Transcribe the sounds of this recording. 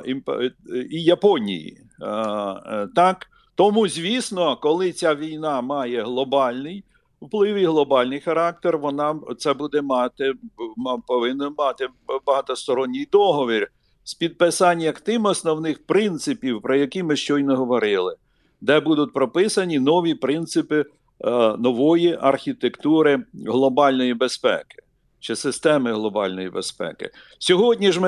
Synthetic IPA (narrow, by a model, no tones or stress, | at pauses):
impijɐpɔnʲḭjḭ | t̪ɑk | t̪ɔmuzʲʋʲisnɔkɔlˠɪt͡sʲaʋʲijnɑmɑjɛɦlˠɔbɑlʲnɪj | wplˠɪwiɦlˠɔbɑlʲnɪjxɐɾɑk̚t̪erʋɔnɑt̪sɛbud̪ɛmɑt̪ɪmpɔʋɪnːɔmɑt̪ɪbɐɦɐt̪ɔst̪ɔɾɔnʲːijd̪ɔɦɔʋʲir | spʲid̪̚pɪsɑnʲjɐkt̪ɪmɔsnɔwnɪxpɾɪnt̪sɪpʲiwpɾɔjɐkimɪʃt͡ʃɔjnɐɦɔʋɔɾɪlˠɪ | d̪ɛbud̪ʊt̪̚ʲpɾɔpɪsɐnʲinɔʋʲipɾɪnt̪sɪpɪ | nɔʋɔjiʔɐrxʲit̪ekt̪uɾɪɦlˠɔbɑlʲnɔjibespɛ̰kɪ̥ | t͡ʃɪsɪst̪ɛmɪɦlˠɔbɑlʲnɔjibespɛ̰kɪ̰ | sʲɔɦɔdʲnʲiʒmɪ